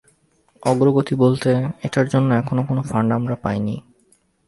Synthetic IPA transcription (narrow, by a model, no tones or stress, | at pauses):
ɔɡɾoɡot̪ibolt̪eeʈaɾd͡ʑonːoɛkʰonokonofaɳɖamɾapajni